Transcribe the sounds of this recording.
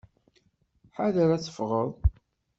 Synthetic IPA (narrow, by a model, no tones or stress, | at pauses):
ħaðəɾæt͡sə̥fʁəðˤ